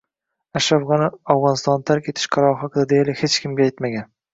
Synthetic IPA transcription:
aʃɾafʁɑnɪawʁɒnɪst̪ɒnt̪ʰaɾkʲʰet̪ʰɪ̥ʃqʰɑɾɒɾɦɒqʰɨd̪ad̪ejlɪhet͡ʃkʲɪmɡʲaajt̪maɡʲan

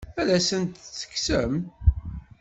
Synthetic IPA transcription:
ælæsənt̪t͡sːə̥ksəm

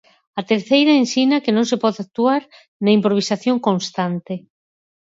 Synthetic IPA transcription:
at̪eɾθejɾaensinakenõŋsepɔðak̚t̪uaɾ | naimpɾoβisaθjoŋkõnst̪ant̪e

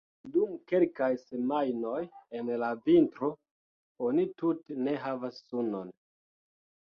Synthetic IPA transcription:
dumke̞lkajse̞majno̞jenlavintɾo̞ | onitutene̞ɦavasːuno̞n

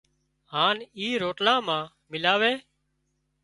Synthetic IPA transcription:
ɦaːniːɾoːʈlãːmãː | mɪlaːʋeː

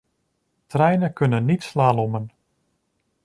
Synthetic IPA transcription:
trɛjnəkɵnənːitslaːlɔmən

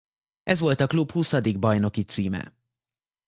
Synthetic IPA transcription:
ʔɛzʋo̞lt̪ɒklubhusɒd̪iɡ̚bɒjno̞kit̪siːmɛ̰

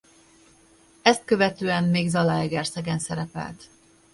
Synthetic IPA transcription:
ɛst̪̚kø̞vɛt̪øːɛmmeːɡzɒlaɛɡɛrsɛɡɛnsɛɾɛpɛ̰lt̪

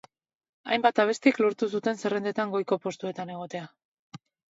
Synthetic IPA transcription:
a̰jmbat̪aβ̞e̞st̪ikloɾt̪us̬ut̪e̞nse̞re̞nd̪e̞t̪aŋɡo̞jko̞po̞st̪ue̞t̪ane̞ɣ̞o̞t̪e̞a

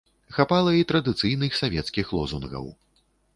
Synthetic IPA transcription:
xapalˠɐit̪ɾɐd̪ɨt̪sɨjnɨxsavʲɛt̪skʲixlˠɔzunɣɐ̰w

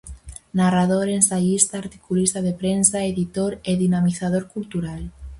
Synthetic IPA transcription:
narað̞oɾensaʝist̪aːɾt̪i̥kulist̪að̞epɾensaeðit̪oɾeðinamiθað̞oɾkult̪uɾal

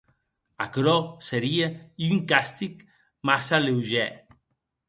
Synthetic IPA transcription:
akɾɔseɾiayŋkast̪ik | masalewʒɛ

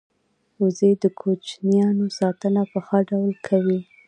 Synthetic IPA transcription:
uzed̪əkʰot͡ʃnijɑnosɑt̪ənapəxɑɖawlkʰawi

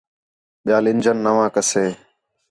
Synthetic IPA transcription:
ɓɪjaːlɪnd͡ʒənːəʋãːkəseː

